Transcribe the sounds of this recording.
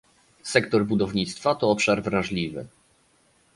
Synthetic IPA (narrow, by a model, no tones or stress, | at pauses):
sɛkt̪ɔɾbud̪ɔvɲit̪st̪fat̪ɔɔpʂaɾvɾãʐlʲivɘ̰